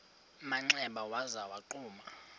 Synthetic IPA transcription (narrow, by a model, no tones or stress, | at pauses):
maŋ͡ǀɛɓawazawaǃuːma